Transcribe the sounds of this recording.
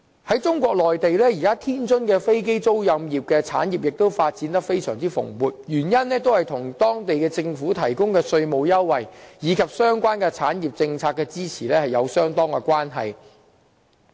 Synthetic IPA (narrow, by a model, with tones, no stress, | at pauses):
hɐ˨˥jt͡sʊ˥ŋkʷɔː˧k̚lɔː˨jt̪e˨jlɛː˥ji˨˩kaː˥t̪ʰiː˥nt͡ʃɵ˥nkɛː˧fe˥jke˥jt͡so˥wjɐ˧mjiː˨˩p̚kɛː˧t͡sʰa̰ː˨˥njiː˨p̚jɪ˨k̚t̪o˥wfaː˧t̚t͡siː˨˥nt̪ɐ˥k̚fe˥jsœ̰ː˨˩ŋt͡siː˥fʊ̰˨˩ŋwuː˨t̚jyː˨˩njɐ˥nlɛː˥t̪̬o˥whɐ˨jt̪ʰʊ˨˩ŋt̪ɔː˥ŋt̪e˨jkɛː˧t͡sɪ˧ŋfuː˨˥t̪ʰɐ˨˩jkʊ˥ŋkɛː˧sɵ˧ɥmo˨˧wjɐ˥wːɐ˨jjiː˨˧kʰɐ˨p̚sœː˥ŋkʷaː˥nkɛ˧t͡sʰaː˨˥nji˨p̚t͡sɪ˧ŋt͡sʰaː˧k̚kːɛ˧t͡siː˥t͡sʰiː˨˩lɛː˥hɐ˨jɐ˨˧wsœː˥ŋt̪ɔː˥ŋkɛ˧kʷwaː˥nɦɐ̰˨j